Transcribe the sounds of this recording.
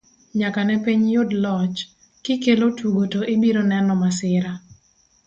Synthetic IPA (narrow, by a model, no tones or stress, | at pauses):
ɲakanɛpiɲjʊdlɔt͡ʃ | kɪkelotuɡotoʔɪbiɾonɛnɔmasɪɾa